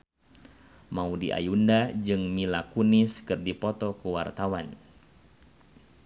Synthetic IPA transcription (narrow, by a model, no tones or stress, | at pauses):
maudiʔa̰jundad͡ʒɨŋmilakunɪskɨrdipɔt̪ɔkuwart̪awan